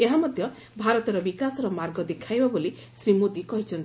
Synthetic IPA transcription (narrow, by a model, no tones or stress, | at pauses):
eɦamʌd̪ʱjʌ | bʱaɾɔt̪ɔɾʌbikasɾʌmarɡɔd̪ekʰajbaboli | sɾimod̪ikʌɦit͡sʰʌnt̪i